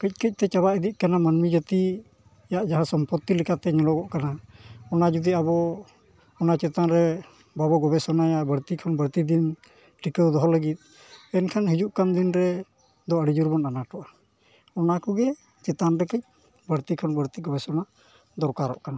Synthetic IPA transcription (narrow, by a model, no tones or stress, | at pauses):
kəc̚kəc̚ˀt̪ɛt͡ʃaβaʔid̪iʔ̚ˀkanamanmid͡ʒət̪i | jaʔd͡ʒaɦasɔmpɔt̪ːilɛkat̪ɛɲɔlɔɡɔʔkanaɔnad͡ʒud̪iabɔ | ɔnat͡ʃɛt̪anɾɛ | babɔɡɔbɛsɔnajabəɽt̪ikʰɔnbəɾt̪id̪in | ʈikəwd̪ɔɦɔləɡit̪̚ˀ | ɛnkʰanɦid͡ʒuʔkand̪inɾɛ | d̪ɔəɽid͡ʒuɾbɔnanaʈɔʔa | ɔnakɔɡɛ | t͡ʃɛt̪anɾɛkəc̚ | bəɾt̪ikʰɔnbəɾt̪iɡɔbɛsɔna | d̪ɔɾkaɾɔ̰ʔkana